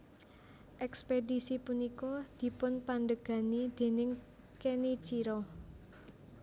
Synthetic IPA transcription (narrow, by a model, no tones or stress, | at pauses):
ʔɛkspedisipunikɔd̪̥i̤pʊnpanɖəɡ̥a̤nid̪̥e̤nɪŋ | kenit͡ʃiɾɔ